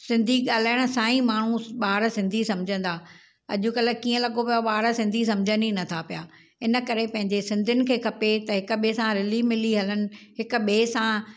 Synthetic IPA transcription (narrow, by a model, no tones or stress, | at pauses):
sɪ̃nd̪ʱiɠaːl̤aːɪɽ̃ʊ̆sãːĩmaːɳ̤uɓaːɾsɪ̃nd̪ʱisɐ̃md͡ʑʱə̃nd̪aː | ɐ̰ʄʊkɐləkiːə̃lɐɠopijoɓaːɦɾsɪ̃nd̪ʱis̬ɐ̃md͡ʑʱə̃ninɐt̪ʰapijaː | ɪnə̆kɐɾepɐ̃ɦɪ̃ɲd͡ʑesɪ̃nd̪ʱʊnɪ̆kʰeːkʰɐpet̪ɐɦɪk̆ɓesãɾɪlimɪliɦɐlənɪ̆ɦɪkʊ̆ɓeːsã